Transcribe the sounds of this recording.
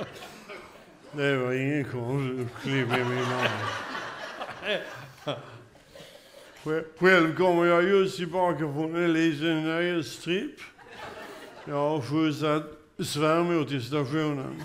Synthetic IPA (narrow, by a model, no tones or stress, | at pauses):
d̪ɛvəɾɪŋːənkʰɔnfkʰlɪpɪmɪnɔn | ɧɛlvkɔmːəɾjɑjɵst̪ʰɪlbɑːkafɾɔnɛnliːt̪ənːœjəst̪ɾɪpː | jɑhaɾfʉs̬at̪ | svæɾmʉːt̪ɪs̬t̪aɧuːnə̰n